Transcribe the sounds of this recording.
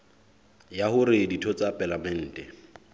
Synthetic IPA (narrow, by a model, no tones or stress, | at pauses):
jahʊɾɪditʰɔt͡sapʼalamɛn̩ːtʼɛ